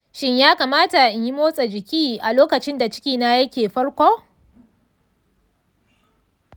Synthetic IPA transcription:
ʃɪ˦ɲjaː˦kaː˨maː˦ta˨ʔɪ˨ɲji˦moː˦sʼa˨d͡ʒɪ˨kʲiː˦ʔa˨loː˦kɐ˨t͡ʃɪ˦nda˨t͡ʃɪ̥˦kʲiː˦na˦jɐ˦kʲeː˨ɸɐ˦ɽkʷoː˦

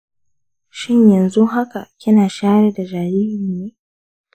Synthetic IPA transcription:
ʃɪ˦ɲjɐ˨nzu˦ɦa˦ka˨kʲɪ˦naː˨ʃaː˦ɾe˨da˨d͡ʒaː˨ɾiː˦hɪ˨nːeː˦

